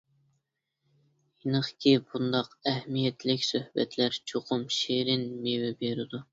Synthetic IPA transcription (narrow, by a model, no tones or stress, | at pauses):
jinəχkʲʰibund̪ɑqɛhmijɛt̪ʰlɪkʲsøhbɛt̪ʰlæɾt͡ʃʰoqʰʊmʃeɾɪnmewɪbeɾɪd̪u